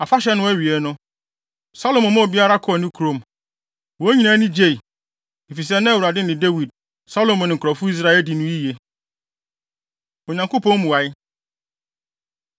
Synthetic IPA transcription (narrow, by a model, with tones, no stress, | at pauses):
a˨fa˦ɕɛ˦nʊ̃˦ɥi˨e˨nʊ̃˦ | sa˦lo˨mɔ̃˨mã˦˨bi˦a˦ɾa˦kʰʊ˦ɔ˨nɪ̃˦kʰu˨ɾo˨m | wɔ˨˦ɲĩ˦nã˨˦nɪ̃˦d͡ʑe˦˨i˨ | i˨fi˨s̬ɛ˦nã˦wu˨ɾa˨dɪ˦nɪ̃˨de˦wi˨d̚ | sa˦lo˨mɔ̃˨nɪ̃˨ŋ̩˨kʰɾɔ˨fʊ˦i˦s̬ɾa˦ɛ˨di˨nʊ̃˦i˦je˨ | o˨ɲã˨ŋko˦pʰɔ̃˦mũ˨wa˨ɪ˦